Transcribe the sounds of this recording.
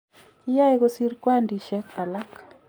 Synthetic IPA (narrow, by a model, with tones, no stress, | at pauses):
kɪ˦ja˦e˦ɡo˦si˦ɾkwa˦ndi˨ʃɛ˦ka˨la˦k